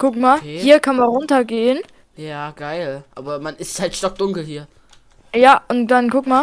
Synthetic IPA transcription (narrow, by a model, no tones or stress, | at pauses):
kʊkmaːhiːɐkʰanmanʁʊntɐɡeːən | jaːɡ̥aɪlʔaːbɐmanɪsthaltʃtɔk̚d̥ʊŋkl̩hiːɐ | jaːʔʊntd̥ankʰʊkmaː